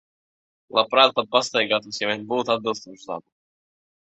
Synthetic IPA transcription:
lˠapɾaːt̪̚pat̪̚past̪ajɡaːt̪uːsjavʲɛnʲbuːt̪ad̪̚bɨlˠst̪oːʃuza̰bu

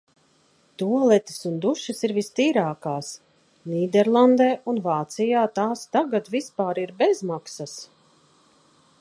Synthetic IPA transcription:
t̪uɔlˠɛt̪i̥sund̪uʃɐsiɾvist̪iːɾaːkaːs | niːd̪ɛɾlˠand̪eːunvaːt̪sijaːt̪aːst̪aɡat̪vispaːɾiɾbɛzmaksas

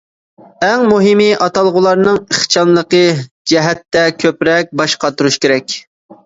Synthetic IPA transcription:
ɛŋmuɦɪmɨʔɑt̪ɑlˠʁʊlˠɑɾnɨŋəχt͡ʃʰɑnlˠəqə | d͡ʒɛɦɛt̪ːɛkʲʰøpɾɛk̚ʲbɑʃqɑt̪uɾuʃkʲeɾɛkʲ

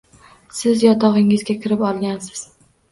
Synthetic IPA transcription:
sɪzjɒt̪ʰɒʁɪŋɪzɡʲakʲʰɪɾɪpɒlˠɡʲansɪ̥z̥

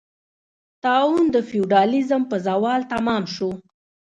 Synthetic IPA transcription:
t̪ɑund̪əfijuɖɑlizəmpəzawɑlt̪amɑmʃu

